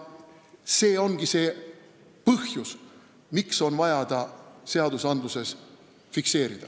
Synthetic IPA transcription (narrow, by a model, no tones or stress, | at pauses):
se̞ːo̞nɡ̥ise̞ː | pɤhjus | mikso̞nvɑjɑd̪̥ɑse̞ɑd̪usɑnd̪luse̞s | fikse̞ːɾid̪̥ɑ